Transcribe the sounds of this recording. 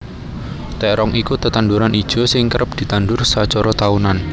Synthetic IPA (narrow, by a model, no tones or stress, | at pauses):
t̪ɛɾɔŋʔikut̪ət̪anduɾanʔid̥ʒ̥ɔ̤sɪŋkəɾʔəp̚d̪̥i̤t̪andʊrsat͡ʃɔɾɔt̪aunan